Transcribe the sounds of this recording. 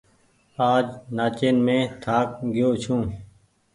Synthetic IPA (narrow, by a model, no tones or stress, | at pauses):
aːd͡ʒnaːt͡ʃeːnmẽːt̪ʰaːkɡɪjoːt͡ʃʰũː